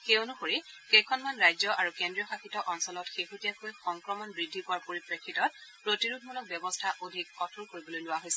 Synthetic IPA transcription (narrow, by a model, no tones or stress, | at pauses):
xeonuxoɹikɛjkʰɔnmanɹajzɔʔaɹukendɹijɔxaxitɔʔɔnsɔlɔtxexutijakojxɔŋkɹɔmɔnbɹidʱːipʊwaɹpoɹipɹekʰːitɔt̚pɹotiɹud̚ʱʰmulɔk̚bjɔbɔstʰaʔodʱik̚ɔtʰuɹkoɹibolojlʊwaɦojsɛ